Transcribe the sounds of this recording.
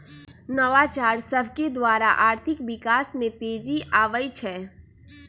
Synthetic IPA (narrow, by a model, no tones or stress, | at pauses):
nəʋat͡ʃaːɾsəbʱked̪waːɾaʔaːɾt̪ʰɪkʋɪkaːsmẽt̪eːd͡ʒiʔaːʋəjt͡ʃʰɛː